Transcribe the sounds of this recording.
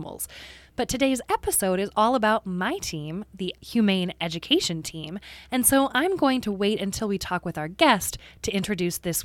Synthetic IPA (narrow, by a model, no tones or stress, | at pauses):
ml̩ˠz̥b̥ʌtʰɨdeɪzɛpɨsoʊɾɨzɔlˠəbaʊt̚maɪtʰĩmðɨhjʉmẽɪ̃nɛd͡ʒɨkʰeɪʃɨ̃ntʰĩmɨ̃nsoʊʔãɪ̃mɡoʊɪ̃ŋtʰəweɪɾɨ̃ntʰɪlˠwitʰɔkwɨðaʊə˞ɡɛsttʰɨɪ̃nt͡ʃɹ̥ɨdʉsðɪs